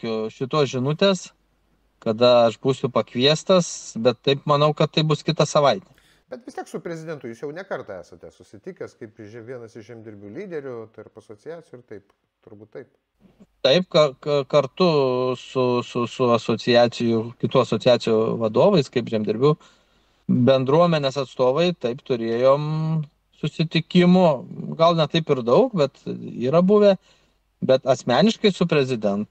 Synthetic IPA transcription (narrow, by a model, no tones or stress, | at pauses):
kʲʊʃʲɪt̪uːsʒʲɪnʊt̪ʲeːs | kɐd̪ɐɐʃbuːsʲʊpɐkʋʲiɛst̪ɐsbʲɛt̪ːɐɪpmɐnɐʊkɐt̪tːɐɪbʊskʲɪt̪ɐsɐʋɐɪt̪ʲɛ | bʲɛt̪ʋʲɪsʲt̪ʲiɛksʊpʲɾʲɛzʲɪd̪ʲɛnt̪ʊjuːsjɛʊnʲɛkɐrt̪ɐæːsɐt̪ʲɛsʊsʲɪt̪ʲiːkʲɐskɐɪpʒʲɛʋʲiɛnɐsɪʃʒʲɛmʲd̪ʲɪɾʲbʲuːlʲiːd̪ʲɛɾʲʊt̪ɐrpɐsoːt͡sʲɪjæːt͡sʲɪjuʊɪrt̪ɐɪp | t̪ʊɾbuːt̪t̪ɐɪp | t̪ɐɪp̚kɐkɐkɐrt̪ʊsʊsʊsʊɐsoːt͡s̪ʲɪjæːt͡ssʲɪjʊkʲɪt̪uːɐsoːtt͡sʲɪjæːt͡s̪ʲɪjuʋɐd̪oːʋɐɪskɐɪpʒʲɛmʲd̪ʲɪɾʲbʲuː | bʲɛnd̪ɾuɔmʲɛnʲeːsɐt̪st̪oːʋɐɪt̪ɐɪpt̪ʊɾʲeːjoːm | sʊsʲɪt̪ʲɪkʲɪmʊɡɐlˠnʲɛt̪ɐɪpɪɾd̪ɐʊkbʲɛt̪iːɾɐbuʋʲe | bʲɛt̪ɐsʲmʲæːnʲɪʃkɐɪsʊpʲɾʲɛzʲɪd̪ʲɛnt̪